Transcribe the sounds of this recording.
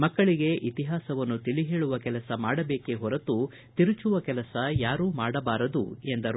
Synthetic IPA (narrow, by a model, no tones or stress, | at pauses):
mɐkːɐɭiɡe̞ʔit̪iɦaːsɐʋɐnːut̪iliɦe̞ːɭuʋɐkɛlɐsɐmaːɽɐbe̞ːkeɦɔɾɐt̪u | t̪iɾut͡ʃuʋɐkɛlɐsɐjaːɾuːmaːɽɐbaːɾɐd̪ṵe̞nd̪ɐɾ